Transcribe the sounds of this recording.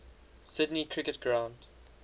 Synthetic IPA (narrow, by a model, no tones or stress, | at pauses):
sɪdnikʰɹ̥ɪkətɡ̥ɹãʊ̃nd̥